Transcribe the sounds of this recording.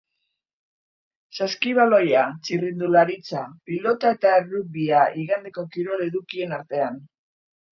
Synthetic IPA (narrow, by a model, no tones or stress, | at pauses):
saskiβ̞alo̞jat͡sirind̪ulaɾit͡sapilo̞t̪ae̞t̪aeruβiaiɣand̪e̞ko̞kiɾo̞le̞ðukie̞naɾt̪e̞an